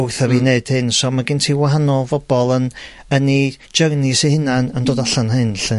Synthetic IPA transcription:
ʊθɛvineɨd̥hɨnsɔmaɡɪntʰiːwaɦanɔlˠvɔb̥ɔlˠən | əni̥ | d͡ʒərnɪsihɪnanəndoːdaɬanɦɨnɬɨ

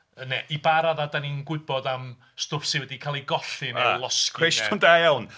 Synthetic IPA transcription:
ənɛʔibaɾaðadaninɡwɪbɔdam | stʊfsɪwɛdikʰalˠiɡɔɬɪnalˠɔskejʃɔndajawn

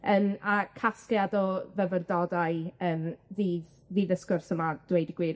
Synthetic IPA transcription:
əmakʰastjadɔvɛvərdɔdajəːnðiːð | viːðəskʊrsəmad̥wejdiɡwiː

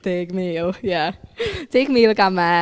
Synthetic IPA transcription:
tʰekmiljætʰeːkmilkama

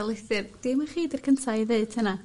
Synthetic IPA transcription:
lˠejθɨrd̥ɪmaχiːdirkʰəntʰaðeɨd̥həna

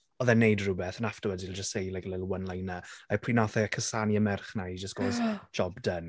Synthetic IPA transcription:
ɔðɛnejdrʊbɛθənaftəwədilˠd͡ʒəstejlˠɛɡlɪlˠwənlajnəapʰriːnɔθɛkʰəsaniəmɛrχnaid͡ʒəstɡ̥oːz̥d͡ʒ̥ɔbdən

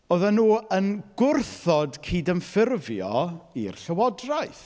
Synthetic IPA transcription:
oðanuːənɡ̥ʊrθɔdkʰiːdənfɪrvjɔḭrɬəwɔdrajθ

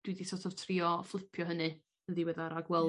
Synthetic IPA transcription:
d̥widisɔtʰɔv̥tʰriːɔflˠɪpʰjɔɦənɨ | əðiwɛðaɾaɡwɛlˠ

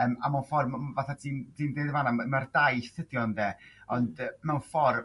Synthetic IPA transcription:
əːmamanfɔrmvaθatʰiːnd̥ʰiːndeðvaːnamardajsədjɔndɛɔndmɛwnfɔr

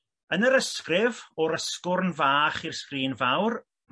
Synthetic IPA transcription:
ənəɾəskrɪvɔɾəskʊrnvaːχirskriːnvawr | m

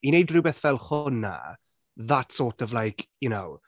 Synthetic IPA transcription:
inejdrɨwbɛθvɛlˠχʊna̰ | ðatʰsɔːrtʰɔvlajkʰjʊnow

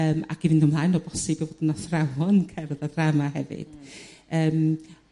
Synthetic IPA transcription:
əːma̰kivɪndəmlˠajnoɔːbɔsɪbivoːdənasrawɔnkʰɛrðad̥ramaɦɛvɨ̰d̥əːm

